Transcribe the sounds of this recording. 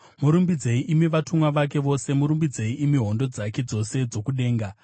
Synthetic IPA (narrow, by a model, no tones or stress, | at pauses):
muɾumbid͡ze̞iʔimiʋatumwaʋak̬e̞ʋo̞se̞muɾumbid͡zeiimiɦo̞ndo̞d͡zake̞d͡zo̞se̞d͡zo̞kuɗe̞ːŋɡa